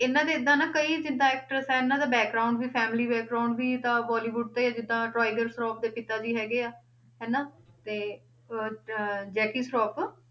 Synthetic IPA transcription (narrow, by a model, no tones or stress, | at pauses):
ɪnːãːd̪eːɪd̪ãːnãːkəiːd͡ʒɪd̪ãːɛːk̚ʈɾəsɦɛːɪnːãːd̪aːbɛːk̚ɡɾaːʊ̃ɳɖʋiːpʰɛːmɪliːbɛːk̚ɡɾaʊɳɖbiːt̪ãːbaːliːʋʊɖ̚t̪eːaːd͡ʒɪd̪ːãːʈɾɔːɪɡəɾsɾɔːp̚d̪eːpɪt̪aːd͡ʒiːɦɛːɡeːaː | ɦɛːnãːt̪eː | d͡ʒɛːkiːsʈɔːp